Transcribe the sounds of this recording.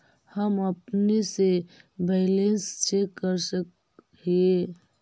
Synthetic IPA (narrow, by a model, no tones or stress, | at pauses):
həməpnesebeɪlenst͡ʃekːəɾsək | ie